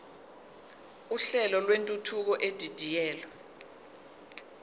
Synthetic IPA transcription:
uɬɛlɔlwentʼutʰuk̬ɔʔed̥ʱid̥ʱijɛːlɔ

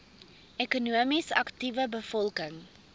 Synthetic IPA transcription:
ʔekunuəmisɐ̰ktivəbəfɔlˠkəŋ

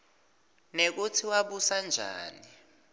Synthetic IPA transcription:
nek̬utʰiwaɓusand͡ʒʱa̰ːni

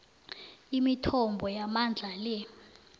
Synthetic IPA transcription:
imitʰɔmbʱɔjamand͡ɮʱalɛ

